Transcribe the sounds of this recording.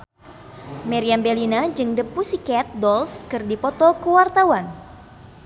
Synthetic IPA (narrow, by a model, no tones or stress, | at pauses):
mɛɾiambɛlinad͡ʒɨŋdəpusikɛt̪̚dɔlskɨrdipɔt̪ɔkəwart̪awan